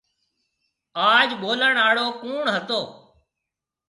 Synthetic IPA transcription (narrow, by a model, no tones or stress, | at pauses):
aːd͡ʒɓoːləɳaːɽoːkuːɳɦət̪oː